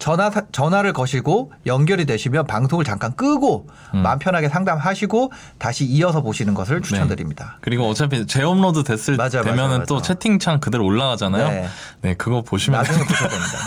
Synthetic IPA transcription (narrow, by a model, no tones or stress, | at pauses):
t͡ɕʌt͡ɕʌnwaɾɯɭkʌɕʰiɡojʌŋɡjʌɾidwe̞ɕʰimjʌnpaŋsʰoŋɯɭt͡ɕaŋk͈ank͈ɯɡo | mampʰjʌnɦaɡe̞sʰaŋdamɦaɕʰiɡo | taɕʰiiʌsʰʌpoɕʰinɯnɡʌsʰɯɭt͡ɕʰu̥t͡ɕʰʌndɯɾimɲidakɯɾiɡoʌt͡ɕʰepʰet͡ɕe̞omnodutwe̞s͈ɯɭmad͡ʑajoemjʌnɯnt͈ot͡ɕʰe̞tʰiŋt͡ɕʰaŋkɯdɯɾoɭːaɡad͡ʑanajo | ne̞kɯɡʌpoɕʰimjad͡ʑuŋopoɕʰʌdemɲida